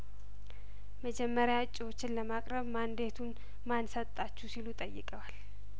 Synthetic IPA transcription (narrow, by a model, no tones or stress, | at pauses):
məd͡ʒɛmːəɾjaɨt͡ʃʼːiwo̞t͡ʃːɪnləmakʼɾəβmand̪e̞t̪ʰun | mansət̪ʼːat͡ʃːusilut̪ʼəjːɪ̰kʼəwal